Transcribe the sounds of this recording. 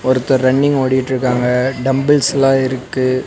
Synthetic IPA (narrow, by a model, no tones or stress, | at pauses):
ɔɾɯt̪ːɐɾɐɳːɪŋɡoːɽɪjɪʈːɪɾɯkːaːŋɡɐɖɐmbɪlslãːɪɾɯkːɯ